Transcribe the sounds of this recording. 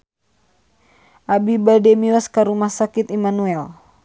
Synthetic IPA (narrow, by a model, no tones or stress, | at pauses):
ʔabibadɛmiɔskaɾumahsakit̪imanuɛl